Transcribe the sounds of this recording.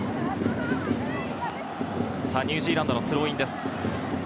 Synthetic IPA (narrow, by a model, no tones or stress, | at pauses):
saɲ̟ʲːɨːʑiːɾãnd̪onosɨɾo̞ːĩnd̪e̞sɨ̥